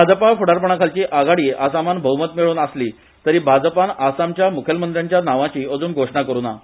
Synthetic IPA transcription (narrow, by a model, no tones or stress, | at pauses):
ad͡zəpafuɽaɾpəɳ̃akʰalt͡ɕiːʔaɡaɽiːasamanbʱəʋwmət̪miɭuːnasliː | t̪əɾiːbʱad͡zpanasamt͡ɕjamukʰjəlmənd̪ɾjaɲt͡ɕjanaʋãt͡ɕiːəd͡zuːnɡʱoʂɳakəɾuːna